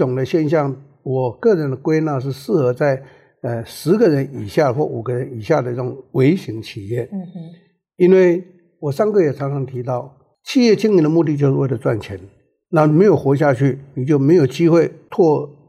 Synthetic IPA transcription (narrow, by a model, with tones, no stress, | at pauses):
ʊ˨˩ŋd̪ə˦ɕjɛ˥˧nɕjɑ˥˩ŋ | wɔ˨˩kɤ˥˩ɻə˧˦nd̪ə˨kwe˥ɪna˥˧ʂ̬ɻ̩˥˧ʂɹ̩˥˩xɤ˧˥t͡sa˥˩ɪ | ə˧ʂɻ̩˧˥ɡə˨ɻə˧˦ni˨˩ɕja˥˩xwɔ˥˩u˨˩ɡə˧˦ɻə˧˦ni˨˩ɕja˥˩d̪ə˩i˥˩ʊ˨˩˦ŋwe˧˥ɪɕi˧˥ŋt͡ɕʰi˨˩jɛ˥˩ | i˥nwe˥˩ɪ | wɔ˨˩ʂɑ˥ŋkɤ˥˩jɛ˨˩t͡sʰɑ˧˥ŋt͡sʰɑ˧˥ŋt̪ʰi˧˥t̪ɑ˥˩ʊ | t͡ɕʰi˥˧jɛ˥˧t͡ɕʰi˥˧ŋi˧˥nd̪ə˨˦mu˥˧t̪i˥˧t͡ɕjo˥˧ʊʂɻ̩˥˧we˥˩ɪlə˩t͡swa̰˥˩nt͡ɕʰjɛ̰˧˥n | na˥˩n˨me˧˥ɪjo˨˩ʊxwɔ˧˥ɕ̬ja˥˧t͡ɕʰy˥˩ni˨˩t͡ɕjo˥˩ʊme˧˥ɪjo˨˩ʊt͡ɕi˥xwe˥˧ɪt̪ʰwɔ˥˧